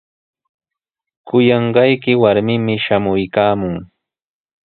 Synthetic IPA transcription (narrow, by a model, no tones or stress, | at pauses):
kʊjɑɴɢɑjkɪwaɾmɪmɪʃamʊjkaːmʊŋ